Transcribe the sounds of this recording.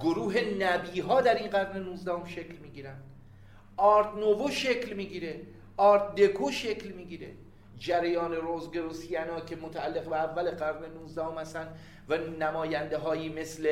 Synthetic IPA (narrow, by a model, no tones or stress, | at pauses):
ɡoɾuːɦe̞næbiːɦɒːd̪æɾinɢæɾne̞nuːzd̪æhomʃe̞clmiːɡiːɾænd̪̥ | ɒːɾt̪novoʃe̞clmiːɟiːɾe | ɒːɾt̪̚d̪e̞kʰoʃe̞clmiːɡiːɾḛ | d͡ʒæɾæjɒːne̞ɾozɡeɾosiænɒːkʰe̞mot̪ʰæælːe̞ɣbeævːæleɢæɾne̞nuːzd̪æhomhæst̪ænd̪ | vænæmɒːjænd̪eɦɒːjiːme̞sle